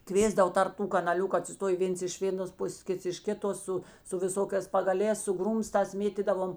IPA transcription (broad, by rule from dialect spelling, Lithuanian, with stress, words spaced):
ˈkʋʲeːzdɐʋoː tɐrp ˈtuː kɐnɐˈlʲʊkʊ ɐtʲsʲɪˈstoːjeː ˈʋʲeːns ɪʃ ˈʋʲeːˌnoːs ˈpʊsʲeːs ˈkʲɪts ɪʃ ˈkʲɪˌtoːs ˈsʊ sʊ ʋʲɪˈsoːkʲɛːs pɐɡɐˈlʲɛːs sʊ ˈɡruːmstɑːs ˈmʲeːtʲiːdɐʋoːm